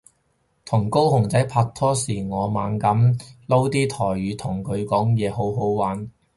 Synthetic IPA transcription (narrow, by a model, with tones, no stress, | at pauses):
t̪ʰʊ˨˩ŋko˥whʊ˨˩ŋt͡sɐ˨˥jpʰaː˧k̚t̪ʰɔː˥siː˨˩ŋɔː˨˧maː˨˧nkɐ˨˥mlo˥wt̪iː˥t̪ʰɔː˨˩jɥyː˨˧t̪ʰʊ˨˩ŋkʰɵ˨˧ɥkɔː˨˥ŋjɛː˨˧ho˨˥wɦo˨˥wwaː˨˥n